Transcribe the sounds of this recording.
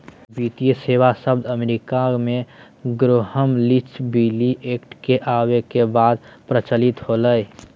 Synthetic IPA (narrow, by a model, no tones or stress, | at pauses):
bit̪ijəseːʋasəbd̪əmeɾikamẽ | ɡɾoɦəmlit͡ʃbiliʔekʈkeʔaːwekebaːd̪̚pɾət͡ʃəlit̪holəj